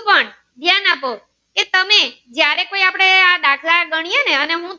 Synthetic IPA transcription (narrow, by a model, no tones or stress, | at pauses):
pəɳ | d̪ʱjanapo | ket̪əmed͡ʒjaɾekoiapɽ̃ead̪akʰlaɡəɽ̃ijeneəneɦũ